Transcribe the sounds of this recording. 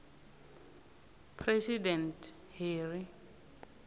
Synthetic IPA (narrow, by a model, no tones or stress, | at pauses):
pʰrɛsidɛnt | heːri